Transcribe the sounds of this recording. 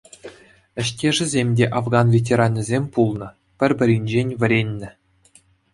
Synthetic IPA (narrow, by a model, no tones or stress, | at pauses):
ɘ̆ɕtʲeʐɘ̆zʲemʲdʲeʔɑvɡɑnvʲet̬ʲeɾɑnʲːɤ̆zʲemʲpulˠnɤ̆ | pʲɘ̆rʲbʲɘ̆ɾʲinʲd͡ʑenʲvʲɘ̆ɾʲenʲːɘ̆